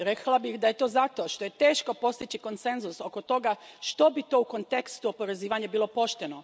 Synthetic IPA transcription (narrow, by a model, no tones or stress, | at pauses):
ɾe̞klˠabixd̪aje̞t̪o̞ːzat̪o̞ʃt̪o̞je̞t̪eːʃko̞po̞st̪it͡ɕiko̞nt̪se̞nzuso̞ko̞t̪o̞ɡaʃt̪obit̪o̞uko̞nt̪e̞kst̪uopo̞ɾe̞ziːʋaɲabiːlˠo̞po̞ʃt̪e̞no̞